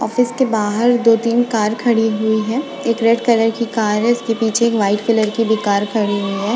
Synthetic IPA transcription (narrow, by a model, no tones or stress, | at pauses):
ɔ̰ːfɪskebaːɦəɾd̪oːt̪iːnkaːɾkʰɐɽiɦʊiɦɛː | eːkɾeʈkɐləɾkikaːɾɦɛɪskepiːt͡ʃʰeːkʋaːɪʈkələɾkibʱikaːɾkʰɐɽiɦʊiɦɛː